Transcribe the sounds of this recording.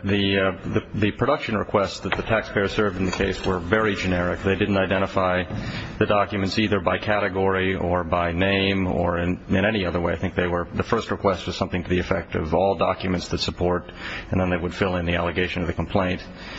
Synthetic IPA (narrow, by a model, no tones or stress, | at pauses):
ðɨðɨðɨpʰɹ̥ɨɾʌkʃɨ̃nɹɨ̰kʰw̥ɛstsðɨt̪̚ðɨtʰækspʰeɪə̥˞sɜ˞vdn̩ðɨkʰeɪswə˞vɛɹid͡ʒɨnɛɹɨkðeɪdɪdⁿn̩taɪdɛ̃ɾ̃əfaɪðɨdɑkjɨmɨ̃ntsiðə˞baɪkʰæɾɨɡɔɹiə˞baɪnẽɪ̃mə̰˞ɪ̃nɨ̃ɾ̃ɛniʌðə˞weɪaɪθɪ̃ŋk̚ðeɪwə˞ðɨfɜ˞st̚ɹ̥əkʰw̥ɛst̚wʌz̥sʌ̃mθɪ̃ŋtʰɨðiɨfɛk̚tʌ̰vɔlˠdɑkjɨmɨ̃ntsðɨtsəpʰɔɹɾ | ɨ̃nðə̃nðeɪwəd̥fɪlˠɨ̃nðiælˠɨɡeɪʃɨ̃nʌvðɨkʰm̩pʰl̥ẽɪ̃nt